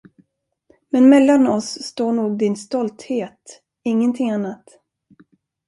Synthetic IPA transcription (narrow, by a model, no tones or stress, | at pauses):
mɛnmɛlːanɔsːt̪oːɳuːɡ̚d̪ɪnst̪ɔlt̪heːt̪ | ɪŋːənt̪ʰɪŋanːat̪